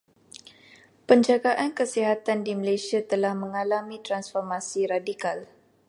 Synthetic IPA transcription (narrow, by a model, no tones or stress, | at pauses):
pəɲd͡ʒaɡaʔankəsiɦat̪andiməlasiat̪əlahməŋalamĩt̪ɾansfɔrmasiɾadikal